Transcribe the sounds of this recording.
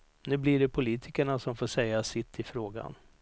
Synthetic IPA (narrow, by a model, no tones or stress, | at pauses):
nʉ̟ːblɪɖɛpʰʊliːt̪ʰɪkəɳasɔmfoːʂɛjːasɪt̪ʰːɪfɾoːɡa̰n